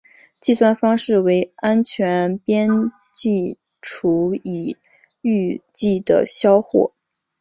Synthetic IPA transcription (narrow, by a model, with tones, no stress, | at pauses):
t͡ɕi˥˧swa˥˩nfɑ˥ŋʂɻ̩˥˩we˧˥ɪa˥nt͡ɕʰɥɛ˧˥npjɛ˥n | t͡ɕi˥˩ | ʈ͡ʂʰu˧˥i˨˩ | y˥˧t͡ɕi˥˩d̪ə̰˩ɕjɑ˥ʊxwɔ̰˥˩